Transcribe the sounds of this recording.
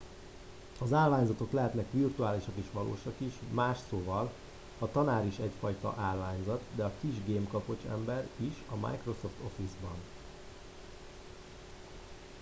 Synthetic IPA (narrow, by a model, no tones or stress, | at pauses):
ɒzaːlvaːɲzɒt̪o̞klɛɦɛt̪nɛkʋirt̪uaːliʃɒkiʃʋɒlo̰ːʃɒkiʃmaːʃsoːvɒl | hɒt̪ɒnaːɾiʃɛcfɒjt̪ɒ̰ʔaːlːaːɲzɒt̪d̪ɛɒkiʒɡeːmkɒpo̞t͡ʃɛ̰mbɛɾiʃɒma̰jkro̞so̞ft̪o̞fizbɒn